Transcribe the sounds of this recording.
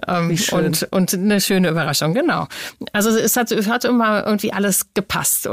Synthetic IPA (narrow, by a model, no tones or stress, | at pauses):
ʔɛːmʔʊntʔʊntnəʃøːnəyːbɐʁ̞aʃʊŋɡənaʊʔalzoɛshatshatʔɪmɐʔɪ̰ɡŋ̩tv̥iːʔaləsɡ̥əpʰa̰st